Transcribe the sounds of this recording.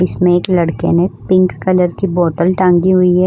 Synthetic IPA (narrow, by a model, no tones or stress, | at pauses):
ɪsmẽeːklɐɽkḛnẽpɪ̃ŋkːɐləɾkiboːʈəlʈãːŋɡiɦʊiɦɛ